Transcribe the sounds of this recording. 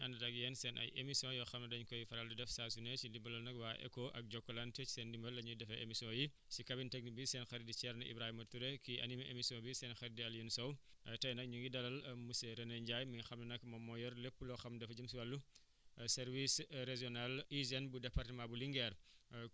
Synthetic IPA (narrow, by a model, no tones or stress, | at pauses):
ɐndɐdɐɡjɛnsɛnʔɐ̰jḛmisjɔ̃jɔxɐmnɐdɐɲkɔjifɐɾɐldɐdɛfsaːsunet͡ʃildimbɐlɐlnɐkwaːʔɛ̰koʔɐ̰k̚ɟɔkːɔlɐntɐi̥seːndimbɐlɐɲudɛfɐʔemisiɔ̃ji | sikɐbintɛɡ̚nibisɛːnxɛɾdit͡ʃɛɾnɐʔḭbɾaːhimɐtuɾɛkiʔɐ̰nimɐʔemisiɔ̃bisɛːnxɛɾdiɐljunusɔwʔɐtɐjnɐk̚ɲuŋɡidɐlɐlmuseɾɐnɐɲɟaːjmiɲxɐmnɐnɐkmɐmɔjɔɾlepːulɔxɐmdɛfd͡ʒɐmsiwɐlːu | sɛɾvisɾeʒiɔnalizɛnbudɛpɐrtɐmabuliŋɡɛɾ